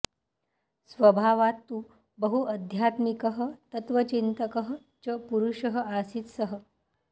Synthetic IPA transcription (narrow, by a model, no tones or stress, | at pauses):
sʋəbʱaʋat̪ːu | bəɦuʔəd̪ʱjat̪mikəɦət̪ət̪ʋət͡ɕint̪əkəɦə | t͡ɕəpuɾuʂəɦəasiːt̪səɦə̆